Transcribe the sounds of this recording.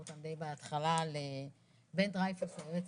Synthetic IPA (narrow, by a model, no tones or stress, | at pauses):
ut̪and̪ejbeat̪χalale | bendʁajfasoeet͡s